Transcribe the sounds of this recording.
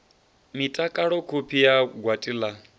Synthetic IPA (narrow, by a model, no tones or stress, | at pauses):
mitʼakʼaɺɔkʰupʰijaɡwatʼiːla